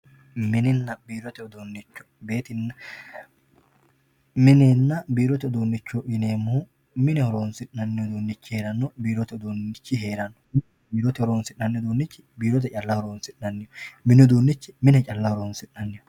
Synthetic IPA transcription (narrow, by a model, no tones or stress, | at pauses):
mɪnɪnːɐbiːɾɔt̪ɛɔd̪oːnːɪt͡ʃːɔ̥be̞ːt̪ɪnːɐ | mɪneːnːɐbiːɾɔt̪ɛɔd̪oːnːɪt͡ʃːɔʔɪneːmuː | mɪnɛhɔɾoːnsɪnːɐnːɪjɔd̪oːnːɪt͡ʃːɪhe̞ːɾɐnːɔbiːɾɔt̪ɛɔd̪oːnːɪt͡ʃːɪɦeːɾɐnːɔmɪn | biːɾɔt̪ɛhɔɾoːnsɪnːɐnːɪjɔd̪oːnːɪt͡ʃːɪ̥biːɾɔt̪̬ɛt͡ʃʼɐlːɐhɔɾoːnsɪnnɐnːɪjɔmɪnɪɔd̪oːnːɪt͡ʃːɪmɪnɛt͡ʃʼɐlːɐhɔɾoːnsɪnnɐnːɪjɔ